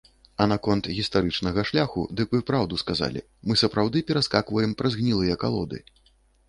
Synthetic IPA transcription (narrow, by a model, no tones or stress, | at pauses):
ɐnakɔnt̪ɣʲist̪aɾɨt͡ʂnɐɣɐʂlʲaxṵd̪ɨkmɨpɾawd̪uskaza̰lʲḭ | mɨsɐpɾawd̪ɨpʲɛɾaskakvɐjɛmpɾɐzɣnʲilˠɨjɐka̰lˠɔ̰d̪ɨ̰